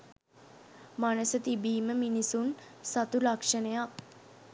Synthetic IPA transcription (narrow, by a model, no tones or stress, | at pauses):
manəsət̪ibiːməminisunsat̪ulakʂənejak